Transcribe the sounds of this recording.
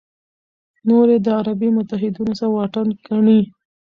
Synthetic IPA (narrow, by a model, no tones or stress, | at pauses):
noɾed̪əaɾabimʊt̪aɦɪd̪unosaɾwɑʈankaɳi